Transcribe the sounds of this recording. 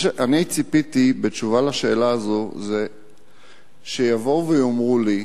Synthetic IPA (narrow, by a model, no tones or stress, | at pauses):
eʔanit͡sipit̪ibet͡ʃuvalaʃe̞ːlaːzoze | ʃejavouvejomʁuli